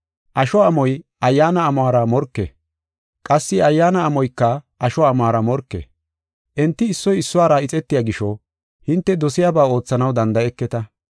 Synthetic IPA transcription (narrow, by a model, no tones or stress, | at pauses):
ʔɐʃɔɐmɔjʔɐjːaːnɐːmɔaːɾɐmɔɾkːɛ̰ | kʼɐsːɪɐjːaːnɐːmɔjkːɐʔɐʃɔɐmaːɾɐmɔɾkːḛ | ʔɛnt̪ːɪːsːɔjɪsːʊwaːɾaɪt͡sʼɛt̪ːɪjaːɡɪʃɔ | hɪnt̪ːɛd̪ɔsɪjaːbaːo̞ːt͡sːɐnɐwd̪ɐnd̪ɐɛkːɛt̪ɐ